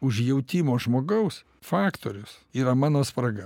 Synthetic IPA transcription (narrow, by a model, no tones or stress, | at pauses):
ʊʃjɛʊt̪ʲɪmoːʒmoːɡɐʊs | fɑːkt̪o̰ːɾʲʊsiːɾɐmɑːnoːspɾɐɡɐ